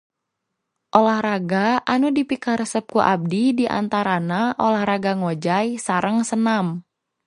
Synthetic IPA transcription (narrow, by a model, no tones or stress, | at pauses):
ʔolahraɡaʔanudipikaɾəsəp̚kuʔab̚didiʔa̰nt̪aɾanaʔolahɾaɡaŋod͡ʒajsaɾəŋsənam